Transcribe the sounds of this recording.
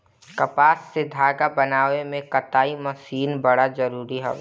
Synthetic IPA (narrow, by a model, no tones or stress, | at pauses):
kɐpaːsːed̪ʱaːɡabɐnaːʋemẽkɐt̪aːimɐsiːnbɐɽazɐɾuːɾiɦɛ̰